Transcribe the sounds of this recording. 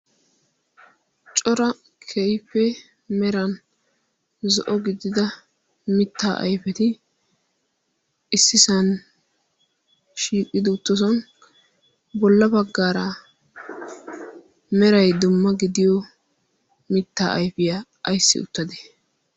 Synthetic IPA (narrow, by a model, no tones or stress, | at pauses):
t͡ʃʼɔɾɐ | kʰɛjɸɛ | mɛɾɐn | zɔʔɔɡɪd̪ːɪd̪ɐ | mɪt̪ːa̰ːʔɐ̰jfɛt̪ɪ | ɪsːɪsɐn | ʃiːkʼːɪd̪ɪʊt̪ːɔs̬ɐn | bɔlːɐbɐɡːaːɾɐ | mɛɾɐjd̪ʊmːɐɡɪd̪ɪjɔ | mɪt̪ːa̰ːʔɐjfɪjaː | jsːɪ̰ʊ̰t̪ːɐd̪ɛ̥